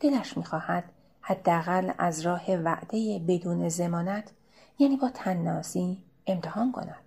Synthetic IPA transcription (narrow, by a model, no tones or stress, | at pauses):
d̪̥e̞læʃmiːxɒːhæd̪̥ | hæd̪ːeæɣælæ̰zɾɒːhe̞væʔd̪e̞jebe̞d̪uːne̞ze̞mɒːnæt̪ʰ | jæːniːbɒːt̪ʰænːɒːsiː | e̞mt̪ʰehɒːnkʰo̞̰næd̪̥